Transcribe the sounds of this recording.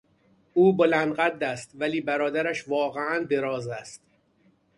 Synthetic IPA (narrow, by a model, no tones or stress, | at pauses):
ʔuːbo̞lænd̪ɢæd̪ːæst̪væliːbæɾɒːd̪æɾæʃvɒːɣeænd̪e̞ɾɒːzæst̪